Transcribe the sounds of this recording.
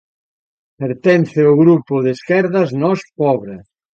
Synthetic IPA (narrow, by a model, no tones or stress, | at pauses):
peɾt̪ɛnθɪʊɣɾupʊðeskɛɾðɐznɔspɔβɾe